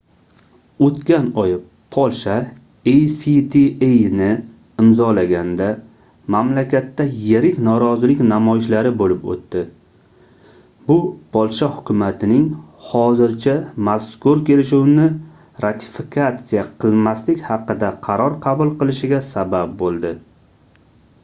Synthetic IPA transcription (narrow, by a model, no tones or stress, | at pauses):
ot̪kʲanɒj | pʰɒlˠʃa | ejsit̪ʰiejnɪ | ɪmzɒlaɡʲand̪a | mamlakʲat̪ːajeɾɪkʲnɒɾɒzɪlɪkʲnamɒjɪʃlaɾɪbolɪpo̰t̪ːɪ | bʊpʰɒlˠʃahʊ̥kʰʲʊmat̪ʰɪnɪŋ | hɒzɪɾt͡ʃʰamaskʊɾkʲe̞lɪʃuwnɪ | ɾat̪ʰɪ̥fɪkʰat̪sijaqʰɨlˠmaslɪkʲhɑqɨd̪aqʰɑɾɒɾqʰɑbʊlˠqɨlˠɪʃɪɡʲasabap̚bolˠd̪ɪ